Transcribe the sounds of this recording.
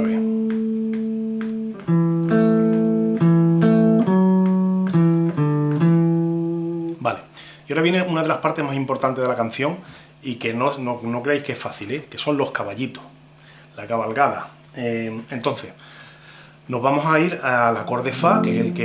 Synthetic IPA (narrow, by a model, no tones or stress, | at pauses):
e | bale̞ | ioɾaβjene̞unað̞e̞lahpaɾt̪e̞ɦmasimpo̞ɾt̪ant̪e̞ðelakan̟θjo̞ŋ | ike̞nonono̞kɾeejhkeehfaθile̞ke̞sõ̞nlo̞hkaβaʎit̪oh | lakaβalɣaða̰ | ee̞nt̪o̞n̟θe̞s | no̞ɦβamo̞saiɾalako̞ɾðe̞fakese̞lke